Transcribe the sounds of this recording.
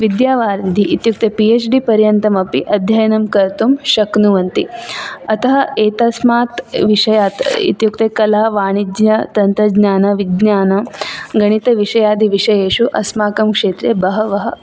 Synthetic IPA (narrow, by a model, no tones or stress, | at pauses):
ʋid̪jaːʋaːɾd̪ʱiʔit̪juk̚t̪epieːt͡ʃɖipɐɾjɐnt̪ɐmɐpiʔɐd̪ʱjɐjɐnɐmkɐɾt̪umʃɐknuʋɐnt̪iɐt̪ɐɦɐeːt̪ɐsmaːt̪ʋiʂɐjaːt̪ḭt̪jukt̪eːkɐlaːʋaːɳ̃id͡ʒjɐt̪ɐnt̪ɾɐd͡ʒɲaːnɐʋiɡɲaːnɐɡɐɽ̃it̪ɐʋiʂɐjaːd̪iʋiʂɐjeːʂuʔɐsmaːkɐmkʂeːt̪ɾjebɐɦɐʋɐɦɐ̆